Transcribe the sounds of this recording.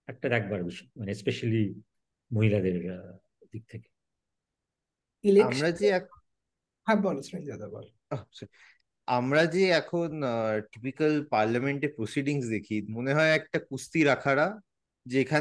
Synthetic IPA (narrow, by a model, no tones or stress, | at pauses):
ɛk̚ʈad̪ɛk̚baɽd̪uɕi̥manespeɕəli | moɦilad̪eɾ | d̪ik̚t̪ʰeke̥ | ileakmɾad͡ʑeak | ɦãbɔlsmend͡ʑad̪abɔ̰l | əsəɾi | amɾad͡ʑeakʰoːnʈipikəlpaɾljameɳʈepɾosiɖiŋɡsd̪ekʰiːt̪moneɦɔjɛk̚ʈakust̪iːɾakʰaɽa | d͡ʑekʰa